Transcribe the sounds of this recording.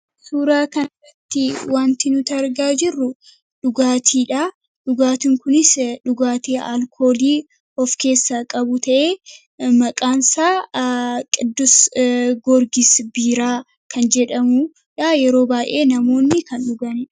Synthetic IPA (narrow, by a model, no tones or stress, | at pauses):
suːɾaːkɐnɐrːɐt̪ːɪwaːnt̪ɪnʊt̪ɐɾɡaːd͡ʒɪrːʊ | ᶑʊɡaːt̪ʰiːᶑɐ | ᶑʊɡaːt̪ɪŋkʊnɪsᶑʊɡaːt̪eːʔɐ̰lkʰo̞ːliː | ɔfke̞ːsːɐkʼɐbʊt̪ɐʔeː | mɐkʼaːnsaː | kʼɪd̪ːʊsɡɔɾɡɪsbiːɾaː | kʰɐnd͡ʒɛᶑɐmu | ᶑajɛɾo̞ːbaːʔe̞ːnɐmo̞ːnːɪkɐnᶑʊɡɐnɛ